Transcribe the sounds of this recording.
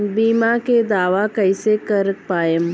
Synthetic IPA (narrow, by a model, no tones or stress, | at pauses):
biːmaked̪aːʋakɐɪsekəɾək̚paːjəm